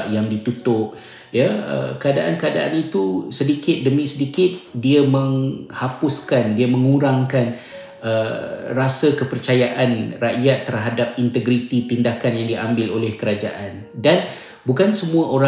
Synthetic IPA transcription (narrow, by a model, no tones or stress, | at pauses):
ʔjaŋdit̪ut̪ʊp̚ | jəə̰kəadaʔankəada̰ʔa̰nit̪usədikɪt̪̚dəmĩsədikɪt̪̚diamə̃ŋhapʊskandiamə̃ŋuɾaŋkan | ərasəkəpərt͡ʃajaʔanraʔjat̪ːərɦadap̚int̪əɡɾit̪it̪indakanjaŋdiʔambɪlolɛhkəɾad͡ʒa̰ʔandan | bukansəmũaʔoɾa